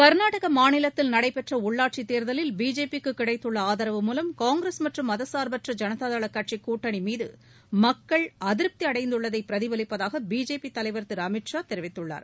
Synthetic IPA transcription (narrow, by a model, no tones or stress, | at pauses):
kɐɾnaːʈɐɣɐmaːnɪlɐt̪ːɪlnɐɽɐɪpɛʈrɐʊɭːaːʈ̚t͡ʃit̪ːeːɾðɐlɪlbiːd͡ʒeːpikːɯkːɪɽɐɪt̪ːɯɭːɐaːðɐɾɐʋɯmuːlɐmkaːŋɡɾɐsmɐʈrɯmɐðɐsaːɾbɐʈrɐd͡ʒɐnɐtaːðaːɭɐkːɐʈ̚t͡ʃikːuːʈːɐɳimiːðɯ̰ | mɐkːɐɭɐðɪɾp̚t̪iɐɽɐɪnd̪ɯɭːɐðɐɪpːɪɾɐðɪʋɐlɪpːɐðaːɣɐbiːd͡ʒeːpːit̪ːɐlɐɪʋɐɾt̪ːɪɾɐmɪʈʂaːt̪ɛɾɪʋɪt̪ːɯɭːa̰ːɾ